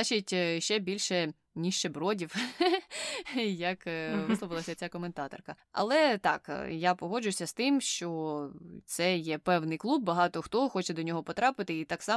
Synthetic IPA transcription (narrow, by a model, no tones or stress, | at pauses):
at͡ʃitʲʃt͡ʃɛbʲilʲʃɛ | nʲiʃt͡ʃebɾɔdʲiw | jɐkʋɪsɔʋɪlˠɐsʲɐt͡sʲakɔment̪ɑt̪ɔ̰rkɐ | ɐ̰lˠɛt̪ɑ̰kjapɔɦɔd͡ʒʊjsʲɐst̪ɪmʃt͡ʃɔt̪sɛjɛpɛwnɪjklˠub̚ːɐɦɑt̪ɔxt̪ɔxɔt͡ʃɛd̪ɔnʲɔɦɔpɔt̪ɾɑpɪt̪ɪit̪ɑksɑ